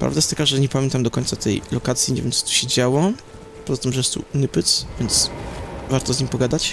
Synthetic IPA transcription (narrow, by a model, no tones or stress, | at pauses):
pɾa̰vd̪ajest̪akaʐɛɲɛpamʲjɛnt̪amd̪ɔkɔɲt̪sat̪ʰɛ̰jlɔkat̪sʲjiɲɛvʲjɛmt͡s̪ɨ̥t̪u̥ɕɛd͡ʑawɔ | pɔzat̪ɘmʐɛjɛst̪ṵnɘpɘt̪svʲjɛnt̪svaɾt̪ɔzɲimpɔɡad̪at͡ɕ